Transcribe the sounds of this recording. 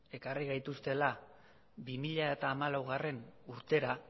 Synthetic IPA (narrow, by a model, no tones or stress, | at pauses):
e̞kariɣajt̪ust̪e̞la | bimiʎae̞t̪aːmalawɣ̞are̞nuɾt̪e̞ɾa